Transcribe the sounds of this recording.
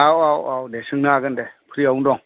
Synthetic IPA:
awawawdɛsɯŋnaɡəndɛpʰɾiaundɔŋ

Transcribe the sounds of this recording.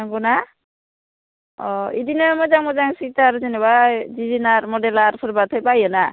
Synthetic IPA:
aŋɡɔna | ɔidinɔmɔjzaŋmɔzaŋsitaɾzinewadizinaɾmɔdɛlaɾpʰɯɾbat̪ʰɔjpajɔna

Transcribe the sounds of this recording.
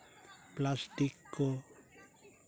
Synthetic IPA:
plast̪ikːo

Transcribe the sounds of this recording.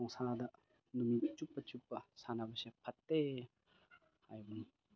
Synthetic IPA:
ɔŋsadɐ | numit͡ʃupːɐt͡ʃupːɐsanabɐsepʰɐtːe | hajbun

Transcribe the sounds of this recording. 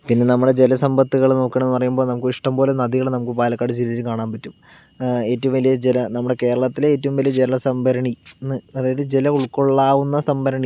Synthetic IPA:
pinːe̞nɐmːuɽe̞d͡ʑelɐsɐmbɐt̪ːuɣɐɭno̞ːkːeɳenːɨpɐrɐjumbo̞ːnɐmukːɨiʂʈɐmpoːlenɐðiɣɐɭenɐmukːɨpaːlɐkːaːɽɨd͡ʑiliðilkaːɳaːnpɐtːum | e̞ːtːɐʋumʋɐlijɐd͡ʑelɐnɐmːuɽe̞ke̞ːɾɐɭɐt̪ːileeːtːɐʋumʋɐlijɐd͡ʑelɐɐsɐmbʱɐɾɐɳinːɨɐðaːjɐðɨd͡ʑelɐuɭkːo̞ɭːaːʋunːɐsɐmbɐɾɐɳi

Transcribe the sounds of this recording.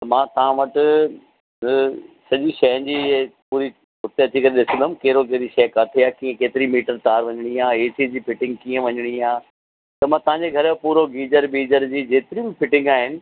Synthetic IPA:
t̪ɐmãːt̪ɐʋãʋɐʈʊ | sɐʄiʃɐɦən̆d͡ʑiːpuːɾi | ɦʊt̪eɐt͡ɕikɐɾeɗɪsə̃nd̪əmkeːɾok̬eːɾiʃɐːkaːt̪ʰiaːkiːẽkeːt̪ɪɾimiːʈəɾt̪aːɾʋɐɲɪɽ̃iãːeːsid͡ʑiːfʰɪʈɪ̃ŋɡkiːə̃ʋɐɲʊɽ̃iãː | t̪ɐmãːt̪ɐʋ̤ãɲd͡ʑeɡʱɐɾpuːɾoɡiːd͡ʑəɾbiːd͡ʑəɾd͡ʑiːd͡ʑeːt̪ɪɾibɪfʰɪʈɪ̃ŋɡaːɦɪnɪ̆

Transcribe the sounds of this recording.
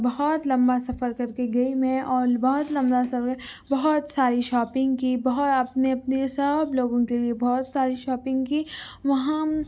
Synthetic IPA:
bɐɦɔt̪lɐ̃mbasɐfəɾkɐɾkeɡɐimẽʔɔːɾbɐɦʊt̪lɐ̃mbasɐfɛbɐɦʊt̪saːɾiʃɔːpɪ̃ŋɡkibɐɦʊt̪ɐpneɐpnesɐbloːɡõkeliebɔːt̪saːɾiʃɔːpɪ̃ŋɡkiʋɐɦã

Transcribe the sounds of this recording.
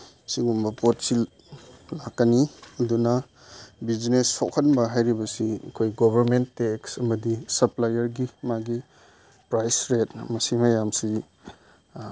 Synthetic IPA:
siɡumbɐpot̚sil | lakːɐniɐdunɐ | bid͡ʒnesːʰokʰɐnbɐɦajɾibɐsiɐ̰kʰojɡobʱɐɾmentːeksɐmɐdisɐplajɐɾɡimaɡi | pɾajsɾetmɐsimɐjamsi

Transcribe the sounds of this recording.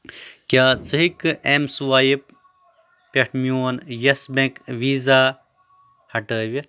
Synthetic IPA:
kʲaːt͡sɨɦikɨemsuwaːjip̚ | peʈʰmjoːnjɐsbẽkʋiːzaː | hɐʈəːʋiɾ

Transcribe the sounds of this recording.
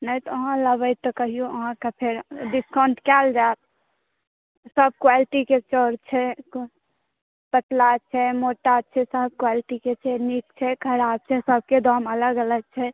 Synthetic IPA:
nət̪ɔəɦãləbəjt̪ɔkəɦijoəɦãkapʰeɾɖiskãɳʈkɛld͡ʒat̪̚ | səb̚kwaliʈiket͡ʃɔɾt͡ʃʰɛ | pət̪lat͡ʃʰɛmoʈat͡ʃʰɛsəb̚kwaliʈiket͡ʃʰɛnikt͡ʃʰɛkʰəɾab̚t͡ʃʰɛsəb̚ked̪ɔmələɡələɡ̚t͡ʃʰɛ

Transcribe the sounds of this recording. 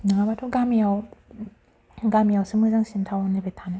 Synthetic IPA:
nɯŋabatʰɔɡamijaw | ɡamijawsɯmɯzaŋsintʰawɔnɯbetʰanɯ

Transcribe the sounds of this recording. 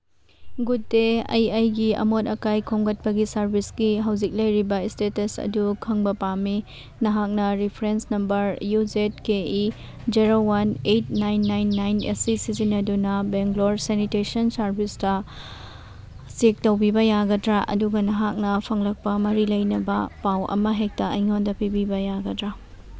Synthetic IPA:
ɡutːeɐ̰jɐjɡiɐ̰motɐkajkʰoŋɡɐt̚pɐɡisɐɾbʱisɡiɦɐwzik̚lɐjɾibɐistetɐsɐ̰dukʰɐŋbɐpami | nɐɦak̚nɐɾipʰɾensnɐmbɐɾjuzet̚kei | d͡ʒiɾowanejt̚najnːajnːajnɐ̰sisizinɐdunɐbeŋɡloɾsenitesɐnsɐɾbʱistɐ | sik̚tɐwbibɐjaɡɐdɾaʔɐ̰duɡɐnɐɦak̚nɐpʰɐŋlɐk̚pɐmɐɾilɐjnɐbɐ̰pawʔɐ̰mɐɦek̚tɐɐjŋondɐpibibɐjaɡɐdɾa

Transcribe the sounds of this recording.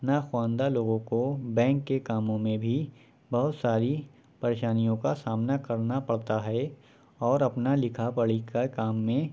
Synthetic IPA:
naxwãːnd̪aloːɡõkobɛ̃ːŋkːekaːmõmẽbʱi | bɐɦʊt̪saːɾi | pɐɾeːʃaːnijõkasaːmnakɐɾnapɐɽt̪aɦɛ | ɔːɾɐpnalɪkʰapɐɭikakaːmːẽ

